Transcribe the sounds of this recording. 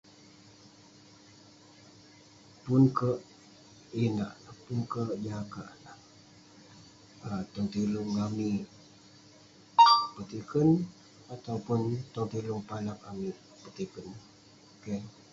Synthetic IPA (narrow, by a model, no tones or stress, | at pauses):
punkəʔ | inaʔpunkəʔd͡ʒaka̰ʔla | ət̪ɔŋt̪ilʊŋami | pət̪ikən | at̪awpʊnt̪ɔŋt̪ilʊŋpalak̚amiʔ | pət̪ikən | oke